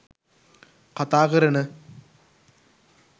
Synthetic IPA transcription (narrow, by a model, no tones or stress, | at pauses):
kɐt̪aːɣɐɾɐnɨ